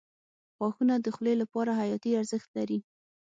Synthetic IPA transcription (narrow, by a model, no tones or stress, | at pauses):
xwɑxunad̪əxlelapɑɾaɦajɑt̪iaɾzəxt̪laɾi